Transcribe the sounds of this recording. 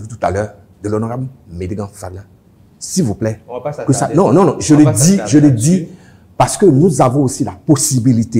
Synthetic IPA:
vit̪̬u̥t̪a̰lœ | d̪əlɔnɔ̃kamedeɡãfablã | silvuplɛkəsanɔ̃nɔ̃nɔ̃ʒələd̪iʒələd̪i | paʁsə̥kønũzavɔ̃osilaposibilit̪e

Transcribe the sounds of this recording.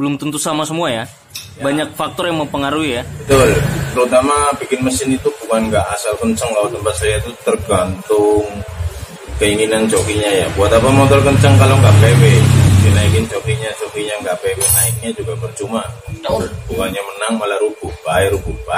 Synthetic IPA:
bəlʊmt̪unt̪usamasəmuaja | baɲak̚fak̚t̪ɔrjaŋməpəŋaɾuijabət̪ʊlt̪əɾut̪amapikɪnməsɪnit̪ubukanŋɡaʔasalkəɲt͡ʃəŋkalat̪əmpat̪̚sajait̪ut̪ərɡant̪ʊŋ | kəiŋinant͡ʃokiɲajabuat̪apamot̪ɔrkəɲt͡ʃəŋkaloŋɡaʔpewedinaikɪnt͡ʃokiɲat͡ʃokiɲaŋɡapewenaɪk̚ɲad͡ʒuɡabərt͡ʃuma | b̥ukanɲamənaŋmalaɾub̥ub̥aiɾububa

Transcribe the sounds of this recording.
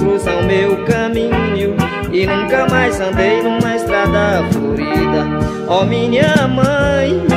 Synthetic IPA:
ɾusɐ̃w̃mewkɐmĩɲuɲiw | inũkɐmajsɐ̃nt̪ejnũmɐest̪ɾad̪ɐfuɾid̪ɐ | ɔmĩɲɐ̃mɐ̃j̃

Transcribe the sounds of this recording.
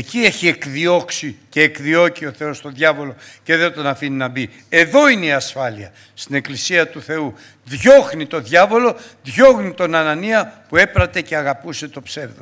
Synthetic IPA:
ecie̞çie̞kðio̞ksice̞ːkðio̞cio̞θe̞o̞st̪o̞ðʝɐvo̞lo̞ce̞ðeot̪ɐnɐfininɐbi | e̞ðo̞ineiɐsfɐliɐ | st̪ine̞klisiɐt̪uθe̞u | ðʝo̞xnit̪o̞ðʝɐvo̞lo̞ðʝo̞xnit̪o̞nɐnɐniɐpue̞pɾɐt̪e̞ce̞ɐɣɐpuse̞t̪o̞pse̞vðo

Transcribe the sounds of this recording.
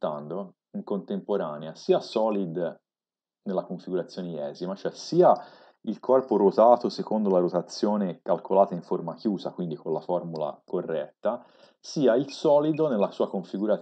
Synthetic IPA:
t̪and̪o | iŋkont̪empoɾaːneasiːasɔːlid̪ | nelːakoɱfiɡuɾat̪sːjoːneiɛːzimat͡ʃoɛsiːa | ilkʰɔrpoɾot̪aːt̪osekond̪olaɾot̪at̪sːjoːnekalkʰolaːt̪aiɱformakjuːzakwind̪ikonlafɔrmula̰korːɛt̪ːa | siːailsɔːlid̪onelːasuːakoɱfiɡuɾa

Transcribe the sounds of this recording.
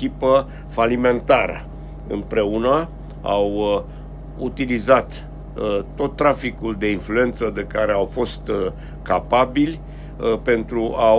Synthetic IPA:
ipə | falime̞nt̪aɾə̰ | ɨ̰mpɾe̞unə | a̰w | ut̪ilizat̪ | t̪ːo̞t̪ːɾafikuld̪e̞influe̞nt̪səd̪e̞kaɾe̞awfo̞st̪ | kapabilʲ | pe̞nt̪ɾuʔa

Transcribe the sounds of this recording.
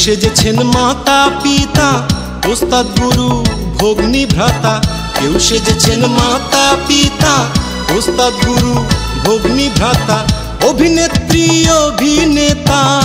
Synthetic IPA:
ʃed͡ʒet͡ʃʰenmaːt̪apit̪a | ost̪at̪̚ɡuɾubʱoɡnibʱɾat̪a | kewũʃed͡ʒet͡ʃʰenmat̪apit̪a | ost̪ad̪̚ɡuɾu | bʱoɡnibʱɾat̪a | obʱinet̪ɾiobʱinet̪a

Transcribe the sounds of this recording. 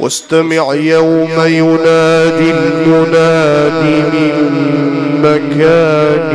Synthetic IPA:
wʔa̰st̪amɪʕjawmajʊnaːd̪ɪljʊnaːd̪imɪn | makaːn

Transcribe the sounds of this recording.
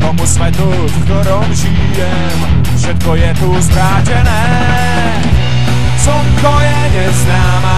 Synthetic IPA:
pɔmusmɛt̪u | fkt̪ɔɾɔmʒi | jɛ | m | fʂɛt̪̚kɔjɛt̪uzbɾaːt͡ɕɛnɛː | sɔwkɔjɛɲɛznaːma

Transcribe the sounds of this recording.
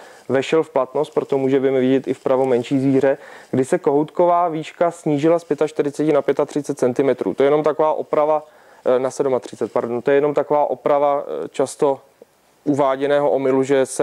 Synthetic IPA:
vɛʃɛlfplat̪nost̪̚pɾo̞t̪omuːʒɛbɪmɛvɪɟɛt̪ɪfpɾavomɛnʃiːzviːr̝ɛɡdɪsɛko̞ɦowt̪ko̞vaːviːʃkasɲiːʒɪlaspjɛt̪aʃt̪ɪɾɪt͡sɛcɪnapjɛt̪at̪r̝ɪt͡sɛt̪̚t͡sɛnt̪ɪmɛt̪ɾʔṵːt̪ojɛno̞mt̪akovaːʔo̞pɾava | nasɛdumat̪r̝̥ɪt͡sɛt̪̚paɾdont̪ojɛjɛno̞mt̪akovaːʔo̞pɾavat͡ʃast̪o̞ | ʔuvaːɟɛnɛːɦoʔomɪluʒɛs

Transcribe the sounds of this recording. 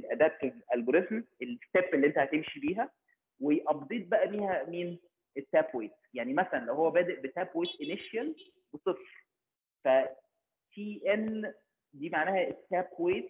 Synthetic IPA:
lʔæd̪æt̪̚æʔælboɾesmelest̪efelːiʔent̪æhæt̪emʃibiːɦæ | wejʔɑb̚d̪ˤiːt̪̚bæʔæmiːhæmiːn | et̪ːæːbweːt̪jaʕnimæsælænlæwhowːæbæːd̪eʔbet̪æːbweːt̪ʔeneʃjæl | besˤefɾ | fæ | t̪iːʔen | d̪iːmaʕnæːhæʔet̪ːæːb̚kweːt̪

